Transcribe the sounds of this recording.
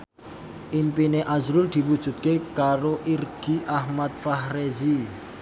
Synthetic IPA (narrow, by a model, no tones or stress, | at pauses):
ʔimpineʔazɾʊld̪̥i̤wud̥ʒ̥ṳt̪̚kekaɾoʔirɡ̥iʔahmat̪̚faɦrezi